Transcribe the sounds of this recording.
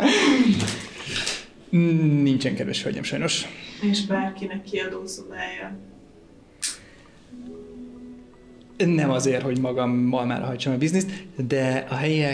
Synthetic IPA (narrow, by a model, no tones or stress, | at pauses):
nint͡ʃɛŋkɛd̪vɛ̰ʃø̰ɟɛ̰mʃɒjno̞ʃeːʃbaːrkinɛkːiɒd̪oːsobaːjːɒ | nɛmɒzeːrho̞ɟmɒɡɒmːɒlma̰ːrɦɒjt͡ʃɒmɒbiznist̪d̪ɛɒɦɛjɛ